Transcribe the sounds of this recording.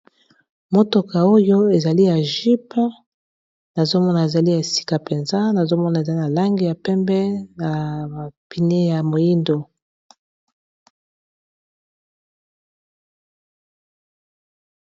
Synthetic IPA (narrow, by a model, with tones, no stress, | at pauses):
mo˦to˨ka˨o˦jo˦e˨za˨li˦ja˨ʒi˦p | na˨zo˦mɔ˦na˨e˨za˨li˦ja˨e˨si̥˦ka˨pe˨nza˦na˨zo˦mɔ˦na˨e˨za˨i˦na˨la˦ŋɡi˨ja˨pɛ˦mbɛ˦na˨a˨pi˨ne˦ja˨mo˨ji˦ndo˨